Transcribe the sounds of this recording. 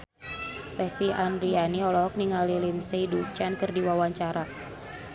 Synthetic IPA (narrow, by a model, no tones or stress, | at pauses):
pɛst̪iandɾianiɔlɔɔk̚niŋalilinsejdut͡ʃankərdiwawaɲt͡ʃaɾa